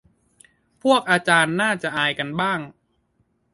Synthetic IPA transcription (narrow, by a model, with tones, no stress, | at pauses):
pʰu˥˩ək̚ʔaː˧t͡ɕaː˧nːaː˥˩t͡ɕa˨˩ʔaː˧jka˧nbaː˥˩ŋ